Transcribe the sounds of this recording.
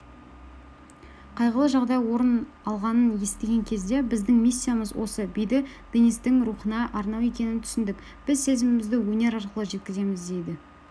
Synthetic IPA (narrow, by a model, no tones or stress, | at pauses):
qʰɑjʁəlˠəʒɑʁd̪ɑjwo̞ɾən | ɑlˠʁɑnənje̞st̪e̞ɡʲe̞ŋkʲʰe̞zd̪e̞bɪzd̪ɪŋmisʲːijaməzwo̞̰səbijd̪ɪ | b̪̥inist̪ɪŋɾuχənɑʔɑɾnɑwe̞kʲe̞nɪnt̪ʰʏ̥sɪnd̪ɪk | b̥ɪzse̞zɪmɪmɪzd̪ɪwɵne̞ɾɑɾqəlˠəʒe̞t̪̚kʲɪze̞mɪzd̪e̞jd̪ɪ